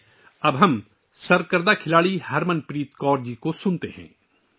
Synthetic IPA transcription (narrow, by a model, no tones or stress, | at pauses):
ɐbɦɐm | sɐɾkəɾd̪akʰɪlaːɽihɐɾmənpɾiːt̪kɔːɾd͡ʒikosʊnt̪ḛɦɛ̰̃ː